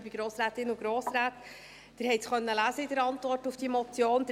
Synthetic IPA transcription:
biɡɾoːsɾæːtɪnːuɡ̥ɾoːsɾæːt | d̥ɪɾhɛɪtsχœnːəlæːzəidəɾɑntvɔrtufd̥imɔt͡sjoːnd̥̪

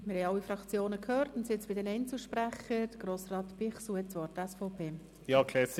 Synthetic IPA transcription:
mɪɾhɛjɑlːifɾɑkt͡sjoːnəkʰhøːrtʊnset͡sb̥ɪdɛnɛɪnt͡suʃpɾæχəd̥əɡ̥ɾoːsrɑːtb̥ɪχsuət͡sʋɔɾtəɛsfɔʊpʰeː | jɑːkʰlɛːs

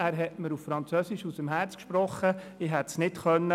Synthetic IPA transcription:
æːɾɦɛtməɾuffɾɑnt͡sœsɪʃusəmɦæːɾt͡skʃpɾɔχːəɪɦɛt̪snɪtχœnːə

